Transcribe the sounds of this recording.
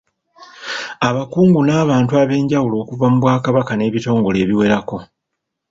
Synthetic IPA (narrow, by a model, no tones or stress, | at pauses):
aβakuːŋɡunaːβaːntuaβe̞ːɲɟawulo̞ːkuvamuβwaːkaβakane̞ːβito̞ːŋɡo̞le̞ːβiwe̞ɾako̞